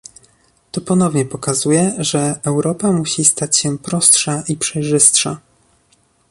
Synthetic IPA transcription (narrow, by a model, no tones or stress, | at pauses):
t̪ɔpɔnɔvɲɛpɔkazujɛʐɛɛwɾɔpamuɕist̪at͡ɕɕɛpɾɔstʂaʔipʂɛjʐɘst̪ʂa̰